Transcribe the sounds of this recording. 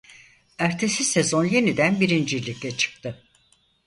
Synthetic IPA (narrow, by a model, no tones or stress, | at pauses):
æɾt̪ʰe̞sise̞zo̞nje̞nid̪ænbiɾind͡ʒilʲiclʲɛt͡ʃʰɯ̥k̚t̪ʰɯ